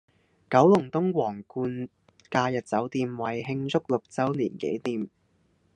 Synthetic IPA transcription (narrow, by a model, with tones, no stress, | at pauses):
kɐ˨˥wlʊ˨˩ŋt̪ʊ˥ŋwɔː˨˩ŋkuː˧n | kaː˧jɐ˨t̚t͡sɐ˨˥wt̪iː˧mwɐ˨˩jɦɪ˧ŋt͡sʊ˥k̚lʊ˨k̚t͡sɐ˥wliː˨˩nkḛ˨˥jt̪iː˧m